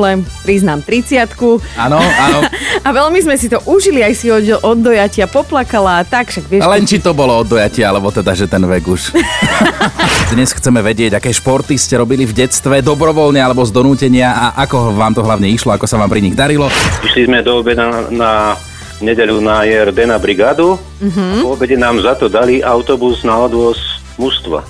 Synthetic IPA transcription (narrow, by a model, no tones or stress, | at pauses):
ɛmpɾiznaːmt̪ɾit͡sɪat̪kuanɔaɔaʋɛlmizmɛsit̪ɔʔuʒiliajsiɔɛʔɔd̪ːɔjacɪapɔplakalaːt̪akfʃaɡʋɪɛlɛnt͡ʃit̪ɔbɔlɔɔd̪ːɔjacɪaalɛbɔt̪ɛd̪aʒɛt̪ɛnʋɛɡuʃ | d̪ɲɛsxt͡sɛmɛʋɛɟɪɛɟakɛːʃpɔɾt̪iscɛɾɔbilivɟɛt͡st̪ʋɛd̪ɔbɾɔʋɔlɲɛalɛbɔzd̪ɔnuːcɛɲɪaaʔakɔʋaːmt̪ɔɦlaʊɲɛiʃlɔakɔsaʋaːmpɾiɲiɣd̪aɾilɔiʃlizmɛd̪ɔɔbɛd̪ana | ɲɛɟɛʎunajɛɾd̪ɛnabɾiɡaːd̪u | ɦ̩pɔɔbɛɟɛnaːmzat̪ɔd̪aliʔaʊt̪ɔbuznaɔd̪ʋɔs | must̪ʋa̰